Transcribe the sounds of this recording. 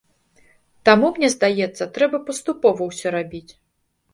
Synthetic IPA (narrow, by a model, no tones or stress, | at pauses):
t̪amumnʲɛzd̪ajɛt̪sːɐt̪ɾɛbɐpɐst̪upɔvɐwsʲɔɾabʲit͡sʲ